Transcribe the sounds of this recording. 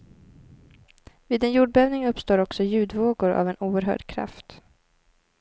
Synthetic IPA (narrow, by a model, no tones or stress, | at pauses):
viːd̪ɛnjuːɖ̚bɛːvnɪŋɵpːst̪oːɾɔksɔjʉ̟ːd̪voːɡʊɾʔa̰vɛnuːəɾɦœ̰ːɖkʰɾa̰ft̪